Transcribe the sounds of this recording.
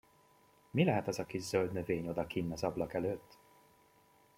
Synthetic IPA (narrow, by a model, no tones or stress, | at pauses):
milɛɦɛt̪ɒzɒkiʃzøld̪nøveːɲo̞d̪ɒkinːɒzɒblɒkɛløːt̪ː